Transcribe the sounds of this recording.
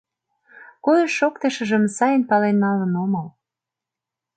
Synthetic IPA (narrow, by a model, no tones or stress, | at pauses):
kojəʃokt̪ə̆ʃə̆ʒə̆msɑjənpɑlenːɑlənomɑl